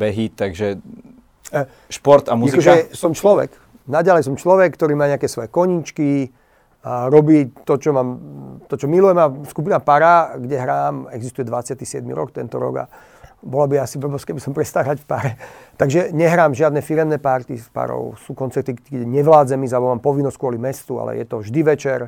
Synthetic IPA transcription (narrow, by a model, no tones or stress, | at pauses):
bɛɦit̪aɡʒɛ | ʃpɔɾt̪amuakɔʒɛsɔmt͡ʃlɔʋɛ̰k | naɟalɛjsɔmt͡ʃlɔʋɛkːt̪ɔɾiːmaːɲɛakɛsʋɔjɛkɔɲiːt͡ʃki | ɾɔbiːt̪ɔt͡ʃɔmaːmt̪ɔt͡ʃɔmilujɛmaskupinapaɾaɡɟɛɦɾaːmɛɡzist̪ujɛd̪ʋat͡sɪat̪isɪɛd̪̚mḭɾɔkt̪ɛnt̪ɔɾɔ̰ɡa̰ | bɔlabiasipɔbɔskɛbisɔmpɾɛst̪aːɾacfpaɾɛt̪aɡʒɛɲɛɦɾaːmʒɪad̪nɛfiɾɛmnɛːpaɾt̪ḭspa̰ɾɔ̰ʊsuːkɔnt͡sɛɾt̪iɡɟɛɲɛʋlaːd͡zɛmizaɛbɔmaːmpɔʋinːɔsckʊɔlimɛst̪ua̰lɛ̰jɛ̰t̪ɔʒd̪iʋɛt͡ʃɛɾ